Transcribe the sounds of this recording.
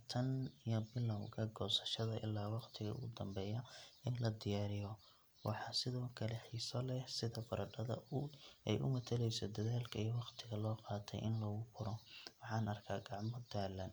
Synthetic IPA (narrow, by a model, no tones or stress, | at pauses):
t̪ʰɐnijɔbɪlːɐwkʰɐɡɔːsɐ̥ʃɐðɐʔɪ̰lːaːwɑqt̪ʰɪɣɐ̰ʊ̰ɣʊd̪ɐmbɛːjɐɪnlɐd̪ɪjaːɾɪjɔ | wʔɑ̰ħɑsɪðɔːkʰɐlɛħiːsɔlɛsɪðɐbɐɾɐɖɐðɐ̰ɛ̰jʔʊ̰mɐt̪ʰɐlɛjsɔd̪ɐðaːlkʰɐijɔwɑqt̪ʰɪɣɐlɔːqɑːt̪ʰɛ̰jʔɪnlɔːɣʊfʊɾɔwɑħɑːnɐrkʰaːɡɑʕmɔd̪aːlːɐn